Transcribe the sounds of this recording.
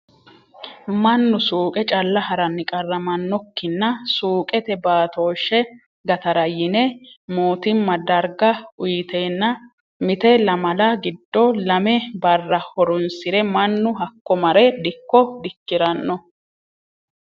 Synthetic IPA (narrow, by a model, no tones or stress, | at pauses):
mɐnːʊsuːkʼɛt͡ʃʼɐlːɐhɐɾɐnːɪkʼɐrːɐmɐnːɔkːɪnːɐsuːkʼɛt̪ɛbaːt̪o̞ːʃːɛ | ɡɐt̪ɐɾɐjɪnɛmoːt̪ɪmːɐd̪ɐɾɡɐʊjt̪eːnːɐ | mɪt̪ɛlɐmɐlɐɡɪd̪ːɔlɐmɛbɐrːɐhɔɾʊnsɪɾɛmɐnːʊɦɐkːɔmɐɾɛd̪ɪkːɔd̪ɪkːɪɾɐnːɔ